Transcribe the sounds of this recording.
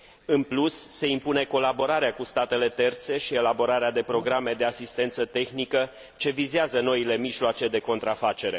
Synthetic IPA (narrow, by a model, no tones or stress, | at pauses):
ɨnplusːe̞impune̞ko̞labo̞ɾaɾeakust̪at̪e̞le̞t̪e̞rt̪se̞ʃie̞labo̞ɾaɾead̪e̞pɾo̞ɡɾame̞d̪e̞asist̪e̞nt̪sət̪e̞xnikə | t͡ʃe̞vizeazəno̞ile̞miʒloat͡ʃe̞d̪e̞ko̞nt̪ɾafat͡ʃe̞ɾe̞